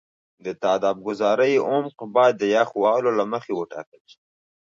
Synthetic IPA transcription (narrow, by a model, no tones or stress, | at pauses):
d̪ət̪ɑːd̪ɑb̚ɡʊzɑɾəjʊmqbɑjd̪ːəjaxwɑlolaməxewəʈɑ̰kəlʃi